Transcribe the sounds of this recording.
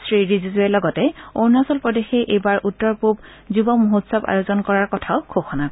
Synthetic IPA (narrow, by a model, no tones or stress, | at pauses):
sɹiɹizizɛlɔɡɔtɛoɹnasɔlpɹɔdexɛʔejbaɹʔutːɔɹpub | zubɔmoɦotsɔba̰jozɔnkɔɹaɹkɔtʰaʊkʰoxɔnakɔ